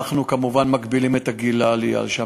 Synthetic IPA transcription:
χnukamuvanmakbilimet̪aɡilalḭa̰lʃa

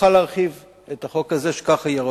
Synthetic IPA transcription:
aleaʁχiv | etaχo̞kazeʃe̥kaχajeʁo

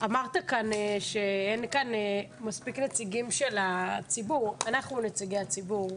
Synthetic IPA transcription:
ʔamaʁt̪akanʃe̞enkanmaspiknet͡siɡimʃelat͡sibuʁanaχnunet͡siɡejat͡sibuʁ

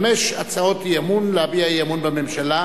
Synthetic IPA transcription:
me̞ʃat͡sao̞tjamunlehabiajamunbame̞mʃala

